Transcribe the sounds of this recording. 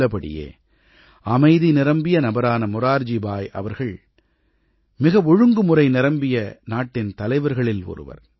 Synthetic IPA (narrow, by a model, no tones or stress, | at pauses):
ɐpɐɽɪ̰jḛː | ɐmɐɪðinɪɾɐmbɪjɐnɐbɐɾaːnɐmʊɾaːɾd͡ʒibaːjʔɐ̰ʋɐɾɣɐɭ | mɪɣɐʋɔɻɯŋɡɯmʊrɐɪnɪɾɐmbɪjɐnaːʈːɪnt̪ɐlɐɪʋɐɾɣɐɭɪlɔ̰ɾɯ̰ʋɐ̰ɾ